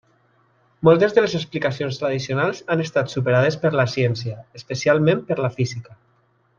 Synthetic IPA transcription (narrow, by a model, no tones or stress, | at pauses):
mɔlˠt̪ezðəlezeksplikasionst̪ɾað̞isionalˠzanest̪at̪supeɾað̞espəɾlasjɛnsjəespəsialˠmẽmpəɾlafizikə